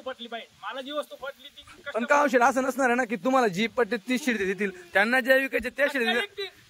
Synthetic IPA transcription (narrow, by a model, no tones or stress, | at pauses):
pəʈliːbajmalad͡ʑiːʋəst̪upəʈliːipəɳkaãw̃ɕ̬elas̬ənəsnaɾanak̬iːt̪um̤alad͡ʑiːp̚pəʈliːt̪iːɕiɽd̪ed̪it̪̬iːlt̪janːad͡ʑaʋikajt͡ɕet̪eɕiɽd̪e